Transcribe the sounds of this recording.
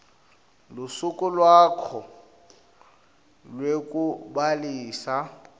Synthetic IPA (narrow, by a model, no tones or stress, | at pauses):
lʊsʊkʼʊlwakʰɔ | lwekʼʊbaliːsa